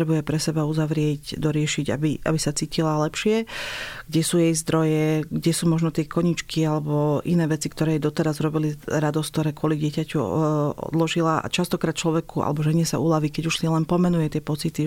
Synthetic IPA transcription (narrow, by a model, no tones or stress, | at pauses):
ɾɛbujɛpɾɛsɛbauzaʋɾɪɛcd̪ɔɾɪɛʃiɟa̰biʔa̰bisat͡siːcilalɛpʃɪɛɡ̥ɟɛsuːjɛjzd̪ɾɔjɛɡɟɛsuːmɔʒnɔt̪ɪɛkɔɲit͡ʃkialɛbɔʔinɛːʋɛt͡sikt̪ɔɾɛːjd̪ɔt̪ɛɾazɾɔbiliɾad̪ɔsk̚t̪ɔɾɛːkʊɔlidɪɛcacuɔ̰d̪lɔʒilaa̰t͡ʃast̪ɔkɾaːt̪̚t͡ʃlɔʋɛkua̰lɛbɔʒɛɲɪɛsa̰ulaʋikɛɟuʃsiɛlɛnpɔmɛnujɛt̪ɪɛpɔt͡sit̪i